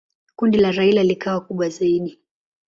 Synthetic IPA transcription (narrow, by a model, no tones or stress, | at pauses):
kundilaɾailalikawakuɓwazaiɗi